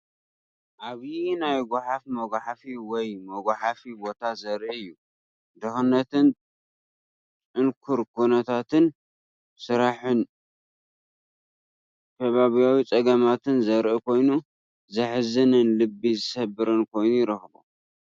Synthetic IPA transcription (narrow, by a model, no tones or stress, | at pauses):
ʔaβnajɡʷaħafmɐɡʷaħafiwɔjmɐɡʷaħafibo̞t̪ʰazɐɾʔiɨjːu | d̪ɐxɨnːɐt̪ʰɨn | t͡sʼɨnkʰuɾkʰunɐt̪ʰat̪ʰɨn | sɨɾaħɨn | k̪ʰɐβaβijawit͡sʼɐɡɐmat̪ʰɨnzɐɾʔikʰo̞jnu | zɐħɨzɨnɨnlɨbːizɨsɐbɨɾɨnkʰo̞jnujɪɾɐxbo̰